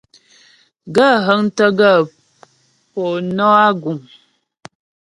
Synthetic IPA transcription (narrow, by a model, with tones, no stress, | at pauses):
ɡə˦˨ɦə˦ŋ˦tə˦ɡə˦˨ | po˨nɔ˦a˦ɡu˨m